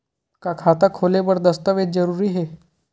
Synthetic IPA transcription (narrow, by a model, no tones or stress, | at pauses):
kakʰat̪akʰolebəɾd̪əst̪əʋed̪̚d͡zəɾuɾiːɦe